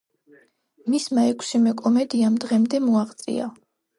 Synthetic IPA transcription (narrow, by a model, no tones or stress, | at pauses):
mismaɛkʷʰsimɛkʼɔmɛd̪iamd̪ʁɛmd̪ɛmɔaʁt̪sʼḭa̰